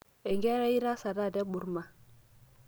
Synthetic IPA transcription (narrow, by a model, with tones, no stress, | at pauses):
e˨ŋɡɛ˦ɾa˦i˦ɾa˦sa˨da˦˨dɛ˦ɓu˨ɾma˨